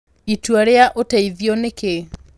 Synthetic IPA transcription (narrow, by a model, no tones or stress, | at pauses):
itwaɾeaʔotɛiðjɔneke